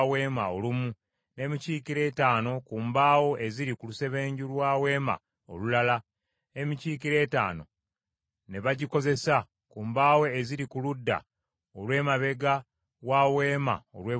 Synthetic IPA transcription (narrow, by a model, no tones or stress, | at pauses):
we̞ːmaolumu | ne̞ːmiciːkiɾe̞ːtaːno̞kuːmbaːwo̞ʔe̞ziɾikuluse̞βe̞ːɲɟulwaːwe̞ːma̰ | o̰lulala | emiciːkiɾe̞ːta̰ːno̞̰ | ne̞βaɟiko̞ze̞sa | kuːmbaːwe̞eziɾikuludːa̰ | olwe̞ːmaβe̞ɡa | waːwe̞ːma̰olweː